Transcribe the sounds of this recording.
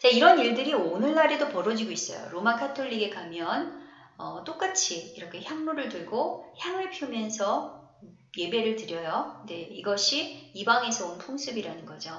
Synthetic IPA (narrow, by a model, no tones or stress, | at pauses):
t͡ɕaiɾʌniɭdɯɾionɯɭːaɾe̞dopʌɾʌd͡ʑiɡois͈ʌ̰jo̰ɾomakʰatʰoʎːiɡekamjʌn | ʌt͈ok͈at͡ɕʰiːɾʌkʰe̞çjaŋnuɾɯɭtɯɭɡoçjaŋɯɭpʰjumjʌnsʰʌ | je̞be̞ɾɯɭtɯɾjʌjode̞iɡʌɕʰiibaŋe̞sʰʌonpʰoŋsʰɯbiɾanɯnɡʌd͡ʑo